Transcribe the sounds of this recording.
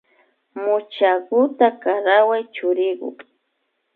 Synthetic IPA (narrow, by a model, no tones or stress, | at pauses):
mʊt͡ʃakʊt̪akaɾawajt͡ʃʊɾɪkʊ̰k